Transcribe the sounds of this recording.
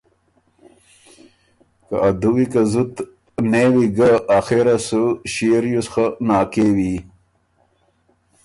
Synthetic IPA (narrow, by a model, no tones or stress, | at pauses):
ka̰ʔad̪uwikazut̪ | neːwiɡaaxeɾasuɕiɾjusxanaːkeːwi